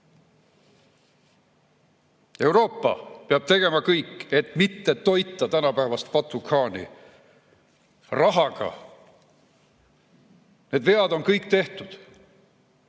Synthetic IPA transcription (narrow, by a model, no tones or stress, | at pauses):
e̞wɾo̞ːpːɑ̰peɑb̥̚t̪e̞ɡ̥e̞mɑkɤjkːˑe̞t̪mit̪ːet̪o̞jt̪ːˑɑt̪ænɑpæːvɑst̪̚pɑt̪ˑukʰɑːnḭ | rɑɦɑɡ̥ɑ̰ | neːd̪ve̞ɑd̪o̞nkɤjkːt̪e̞ht̪ud̪̥